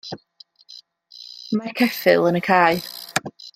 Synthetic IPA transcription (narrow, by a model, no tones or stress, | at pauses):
markʰɛfɪ̰lˠənəkʰaːj